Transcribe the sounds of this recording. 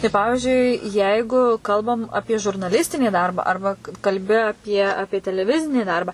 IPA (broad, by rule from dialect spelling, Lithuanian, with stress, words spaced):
tɐɪ ˈpɑːʋʲɪʒʲʊɪ ˈjɛɪɡʊ ˈkɐlˠbɐm ˈɑːpʲiɛ ʒʊrnɐˈlʲɪsʲtʲɪnʲiː ˈdɐrbɑː ˈɐrbɐ kɐlʲbʲɪ ɐˈpʲiɛ ˈɑːpʲiɛ tʲɛlʲɛˈʋʲɪzʲɪnʲiː ˈdɐrbɐ